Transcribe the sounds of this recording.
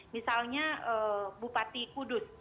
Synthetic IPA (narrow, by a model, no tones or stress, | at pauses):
misalɲaəːbupat̪ikudʊs